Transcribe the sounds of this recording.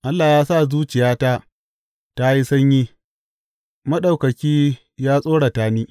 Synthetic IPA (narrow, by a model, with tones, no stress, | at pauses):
ʔa˦lːaː˨jaː˦sa˦˨zuː˦t͡ʃɪ˨jaː˦ta˦ | ta˦ji˦sɐ˦ɲjiː˦ | mɐ˦ɗa˨wkɐ˨kʲiː˦ | jaː˦sʼoː˦ɽa˨taː˦niː˦